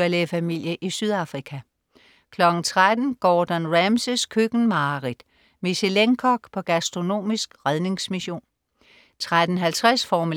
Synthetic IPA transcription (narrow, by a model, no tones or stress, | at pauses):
ɐlefæmil̰jəʔisyðˠɑ̈fʁikʰæ | kʰlɒ̽ɡ̥n̩t͡sʰʁad̥n̩ɡ̥ɒːd̥ænʁæmsəskʰøɡ̥n̩mɑ̈ːʁid̥ | miɕeleŋkʰɒɡ̥pʰɒ̽ɡ̥æsd̥ʁo̝no̝̰ːmisɡ̥ʁað̞ˠne̝ŋsmiɕo̝̰ːn | t͡sʰʁad̥n̩ɦælt͡sʰʁasfɒːm